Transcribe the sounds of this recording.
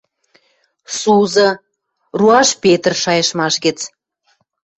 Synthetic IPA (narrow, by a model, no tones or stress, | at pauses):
suzɤ̆ | ruɑʃpʲet̪ərʃɑjə̆ʃmɑʃɣet͡s